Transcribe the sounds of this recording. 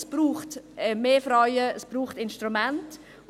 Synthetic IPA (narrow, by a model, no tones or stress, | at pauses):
sb̥ɾuːχtɛmeːfɾajəəsb̥ɾuːχtɪnʃtɾumɛnt